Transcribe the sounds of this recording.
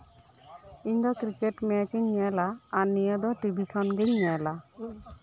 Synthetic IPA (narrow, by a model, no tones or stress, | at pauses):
iɲd̪ɔkɾikeʈmɛt͡ʃiɲɲɛlaːnijəd̪ɔʈibʱikʰɔnɡɯɲɲɛla